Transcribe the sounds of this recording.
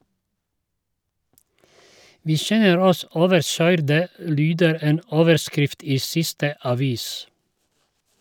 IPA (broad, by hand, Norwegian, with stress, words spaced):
ˈʋiː ˈʃɛnəɾ ˈɔs ˈoːʋəɾˌʃœʏɾdə ˈlyːdəɾ ˈeːn ˈoːʋəɾˌskɾɪft ˈiː ˈsɪstə ɑˈʋiːs